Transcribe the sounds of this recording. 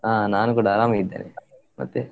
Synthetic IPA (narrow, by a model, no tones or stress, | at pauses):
aːnaːnukuːɽaːɾaːmɐid̪ːḛːne | mɐ̰t̪ːe